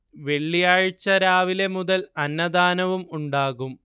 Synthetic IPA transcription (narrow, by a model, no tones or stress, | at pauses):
ʋe̞ɭːijaːɻit͡ɕːɐɾaːʋile̞muðɐlɐnːɐd̪aːnɐʋumuɳɖaːɣum